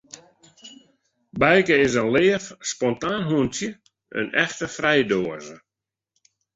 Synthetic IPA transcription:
bɛjkəɪsənlɪːəfspɔntaːnɦuəntjə | ə̰nɛxtəfrɛjdoəzə

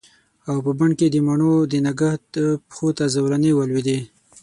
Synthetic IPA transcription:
awpəbaɳked̪əmaɳod̪ənaɡaht̪pxot̪azawɾanewalwid̪e

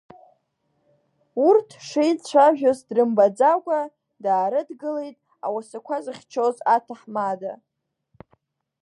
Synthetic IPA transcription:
urtʰʂejt͡ɕʷʰaʒᶣozdrɨmbad͡zakʷʼa | daːɾɨdɡɨlejtʼ | a̰wasakʷʰazɨχʲt͡ʃʰozatʰaħmada

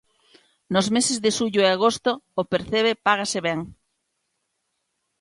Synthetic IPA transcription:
nozmesezðeʃuʎoeaɣost̪oːpeɾθeβ̞epaɣ̞aseβɛŋ

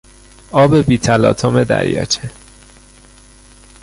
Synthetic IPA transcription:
ɒːbe̞biːt̪ʰælɒ̰ːt̪ʰomed̪æ̰ɾjɒ̰ːt͡ʃʰe

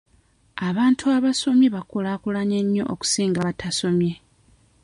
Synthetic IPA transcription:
aβaːntʰuaβaso̞mjeβakolaːkulaɲeɲːo̞̰ʔo̰ku̥siːŋɡaβatʰaso̞mje̞

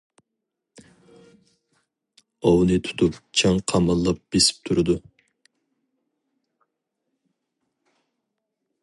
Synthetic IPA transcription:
ɑwnɨt̪ʰu̥t̪ʰupt͡ʃʰɑŋqʰɑmɑlˠːɑp̚b̥esɪ̥p̚t̪ʰuɾɨd̪u

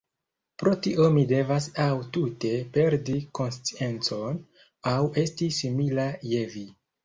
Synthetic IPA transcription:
pɾo̞tiʔo̞mide̞vasawtute̞pe̞ɾdiko̞nst͡sie̞nt͡so̞n | awe̞stisimilaje̞vi

